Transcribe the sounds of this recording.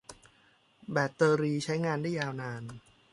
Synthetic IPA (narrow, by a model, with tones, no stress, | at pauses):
bɛː˨˩t̪ːɤː˧ɾiː˧t͡ɕʰa˦˥jŋaː˧ndaː˥˩jaː˧wnaː˧n